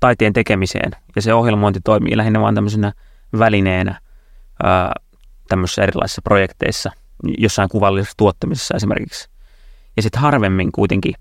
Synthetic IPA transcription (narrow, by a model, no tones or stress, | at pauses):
t̪ɑit̪eːnt̪ekemisḛːnjɑseohjelmoint̪it̪oimḭːlæhinːæʋɑ̰ːnt̪æmːəsinæ | ʋælineːnæ̰ | ə̰ː | t̪æmːøsisːerilɑ̰isi̥sːɑprojekt̪ḛisːɑ | josːɑiŋkuʋɑlːisesːt̪uot̪ːɑmise̥sːɑesimḛrkiks | jɑsit̪hɑrʋemːiŋkuit̪eŋki